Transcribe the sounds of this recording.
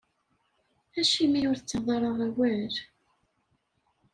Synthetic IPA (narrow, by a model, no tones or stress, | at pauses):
æʃimijʊɾθt͡sːɑðˤɑɾˤɑʁæwæɾ